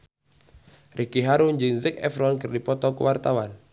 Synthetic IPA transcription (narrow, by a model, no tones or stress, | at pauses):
rʔikiɦaɾund͡ʒiŋzɛkɛ̰fɾɔnkɨrdipɔt̪ɔkṵwart̪awan